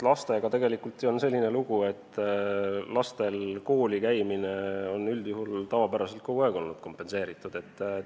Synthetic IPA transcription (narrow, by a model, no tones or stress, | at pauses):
lɑst̪e̞ɡ̥ɑt̪e̞ɡ̥e̞likult̪ˑio̞nse̞lʲːine̞luɡ̥ue̞t̪ː | lɑst̪e̞lko̞ːlʲikæjmineo̞nːyld̪juɦult̪ɑvɑpæɾɑse̞lt̪̚koɡueɡ̥o̞lnud̪̥ko̞mpːˑe̞nse̞ːɾit̪ːˑud̪̥e̞t̪ːˑ